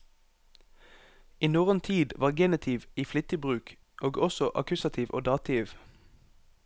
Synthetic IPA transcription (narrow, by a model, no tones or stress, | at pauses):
iːnuːʁənt̪ʰiːd̪ʋɑːʁɡenɪt̪ʰiʋiːflʏt̪ɪbʁʉːk | ʔoːɡɔsɔʔɑ̰kʉsɑt̪ʰiːʋʔo̰ːd̪ɑːt̪ʰɪːʋ